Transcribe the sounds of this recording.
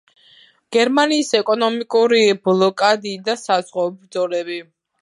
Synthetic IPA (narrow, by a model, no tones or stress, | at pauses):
ɡ̥ɛɾmaniːsɛkʼɔnɔmikʼuɾiblˠɔkʼad̪iːd̪asazʁwɔɔbɾd̪zɔlɛbi